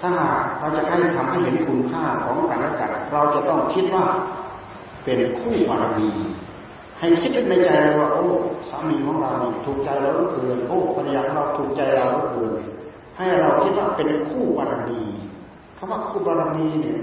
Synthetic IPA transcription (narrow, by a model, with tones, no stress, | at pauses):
t̪ʰaː˧˩ɦaː˨˩k̚ɾa˧wt͡ɕa˨˧˩ʔha˧˥˩jt̪ʰa˧mha˧˥˩jɦe˨˦nkʰu˧npʰaː˥˩kʰɔː˨˦ŋkaː˨nʔa˧˩ka̰˨˩t̪̚ɾa˧wt͡ɕa˨˧˩t̪ɔ˧˩ŋkʰi˧˥t̪̚waː˧˩ | pe˨nkʰuː˥˩baː˧ɾa˧nniː˧ | ha˨˩jkʰi˦˥t̪̚nːa˧jt͡ɕa˧jna˧waː˧˩ʔoː˧˩saː˨˦miː˧kʰɔː˨˦ŋɾa˧wni˧˩t̪ʰuː˨˩k̚t͡ɕa˧jlaː˧wa˧˥˩kʰɤː˧jʔoː˧˩pʰa˧a˧jaː˧a˧ɾa˧wt̪ʰuː˨˩k̚t͡ɕa˧jɾa˧wna˧˩kʰɤː˧n | ha˧˩jha˧˩ɾa˧wkʰi˦˥t̪̚waː˧˩pe˨nkʰuː˥˩baː˨˧ɾa˧nniː˧ | kʰa˧mwaː˥˩kʰuː˧˥˩baː˧ɾa˧nniː˧ni˧˩˨